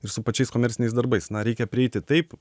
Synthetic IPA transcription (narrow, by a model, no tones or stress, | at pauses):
ɪɾsʊpɐt͡ʃʲɛɪskoːmʲɛɾʲsʲɪnʲɛɪsd̪ɐɾbɐɪsnɐɾʲɛɪkʲɛpʲɾʲɪɛɪt̪ʲɪt̪ɐɪp